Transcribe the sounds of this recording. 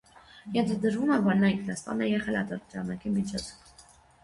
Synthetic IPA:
jɛnt̪ʰɑd̪əɾvumɛvɔɾnɑiŋkʰnɑst̪ɑ̰nɛjɛʁɛlɑ̰t̪ɔɾt͡ʃɑnɑkimit͡ʃʰɔt͡sʰ

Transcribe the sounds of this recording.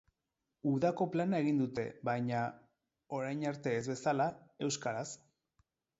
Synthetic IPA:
uðako̞planae̞ɣind̪ut̪e̞̰βajɲa | o̞ɾajnaɾt̪e̞ːzβe̞salae̞wskaɾas

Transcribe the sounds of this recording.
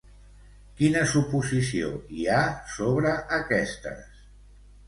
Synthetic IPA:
kinəsupuzisio̰iasoβɾəʔːkɛst̪ə̰s

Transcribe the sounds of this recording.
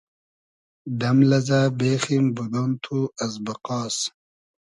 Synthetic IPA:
d̪ɐmlɐzaːbeːximbud̪ont̪ʰuɐzbɐqɑːs

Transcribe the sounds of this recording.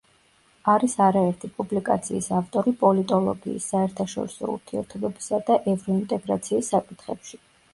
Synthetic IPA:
aɾisaɾaɛɾt̪ʰipʼublikʼa̰t̪sʰiːsaft̪ʼɔɾipʼɔlit̪ʼɔlˠɔ̰ɡiːsːaɛɾt̪ʰaʃɔ̰ɾisɔ̰ṵɾt̪ʰiɛ̰ɾt̪ʰɔbɛbisad̪aʔɛvɾɔint̪ʼɛɡɾa̰t̪sʰiːsːakʼit̪ʰχɛpʃi

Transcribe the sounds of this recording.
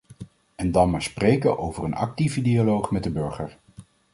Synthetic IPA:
ɛndɑnmaːɹsprejkəʔowvərənɑ̰k̚tivədialowχmɛt̚dəbɵɹχəɹ

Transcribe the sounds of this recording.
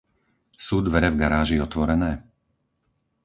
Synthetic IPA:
suːd̪ʋɛɾɛvɡaɾaːʒiɔt̪ʋɔɾɛnɛː

